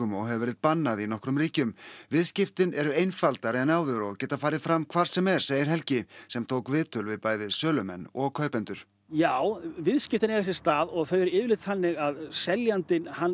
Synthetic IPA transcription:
ʏmɔɣɦɛvʏvɛːɾɪðpanːaðinɔhkɾʏmriːcʏmvɪðscɪft̪ɪnɛɾʏejnfalt̪aɾɛnaːwðʏɾɔɣcɛːt̪afaːɾɪðfɾamkʰvaɾ̥sɛmɛɾ̥seːjɪɾ̥ɦɛlcɪsɛmt̪ʰowkvɪːt̪ʰʏlvɪðpaːjðɪsœːlʏmɛ̰nːɔɣkʰœːɥpɛnt̪ʏɾ̥ | jaːwvɪðscɪft̪ɪnɛɣas̬ɪ̥st̪aːðɔɣθœɥɛɾɪːvɪlɪt̪θanːɪɣaðsɛljant̪ɪnhan

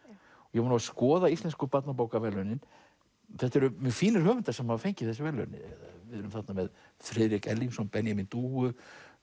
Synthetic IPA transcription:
ɔjɛvɔnavaskɔːðaist̪lɛnskʏpat̪nap̬aːwkavɛlːœnɪn | θɛht̪ːɛɾʏmɪfiːnɪɾ̥hœːvʏnt̪ḁsɛmhavafejɲcɪθɛs̬ːɪvɛlːœ̰nɪ̰ɛðavɪðɛɾʏmθat̪namɛð | fɾɪːðɾɪkɛlːiŋsɔnpɛnjamint̪uːʏ

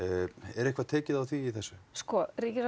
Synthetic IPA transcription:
ɛɾɛhkvat̪ʰɛːcɪðawθiːθɛsːʏskɔɾiːcɪɾ

